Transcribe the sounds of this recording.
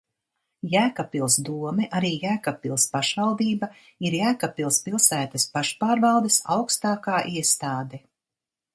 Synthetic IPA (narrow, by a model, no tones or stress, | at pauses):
jæːkapilˠsd̪uɔmɛʔaɾiːjæːkapilˠspaʃvawd̪iːba | iɾjæːkapilˠspilˠsæːt̪ɐspaʃpaːɾvɑwd̪esa̰wkst̪aːkaːʔiɛst̪aːd̪ɛ